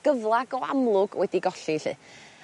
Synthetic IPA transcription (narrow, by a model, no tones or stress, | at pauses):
ɡ̥əvlˠaɡɔa̰mlˠʊɡwɛdiɡɔɬiɬɨ̰ː